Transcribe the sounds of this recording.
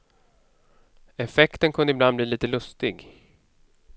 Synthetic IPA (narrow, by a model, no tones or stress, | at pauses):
ɛfɛkt̪ənkʰɵnd̪əɪblanbliːliːt̪əlɵst̪ɪɡ